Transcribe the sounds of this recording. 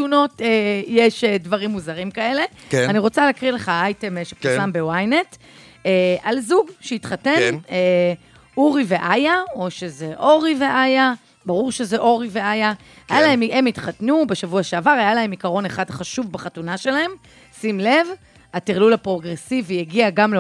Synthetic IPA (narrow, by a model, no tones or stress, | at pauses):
tuno̞tejeʃedvaʁimːuzaʁimkae̞le̞kaniʁo̞t͡saleakʁile̞χaajtemeʃepuslambe̞wajne̞t | eʔalzuɡʃejitχate̞ne | uʁive̞ʔajao̞ʃe̞zeʔo̞ʁiveʔaja | baʁuʁʃezeʔo̞ʁive̞ʔaja | ajalae̞memitχatnube̞ʃavuaʃeavaʁajalae̞mikaʁo̞neχadχaʃuvbaχatunaʃe̞lae̞m | simle̞v | atiʁlulapʁo̞ɡʁesivjeɡiaɡamle